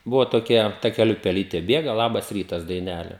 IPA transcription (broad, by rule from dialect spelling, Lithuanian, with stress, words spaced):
ˈbʊʋoː toːˈkʲɛ tɐkʲɛˈlʲʊ pʲɛˈlʲiːtʲeː ˈbʲeːɡɐ ˈlˠɑːbɐs ˈrʲiːtɐs dɐɪˈnʲæːlʲɛ